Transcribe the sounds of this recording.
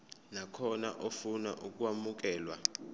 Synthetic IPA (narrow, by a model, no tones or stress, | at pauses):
nakʰɔnaʔofuna̰ʔuk̬ʼwamuk̬ɛːlwa